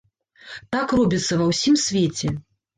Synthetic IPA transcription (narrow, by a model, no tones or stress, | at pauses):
t̪akrɔbʲit̪sːɐvɐwsʲimsʲvʲet͡sʲɛ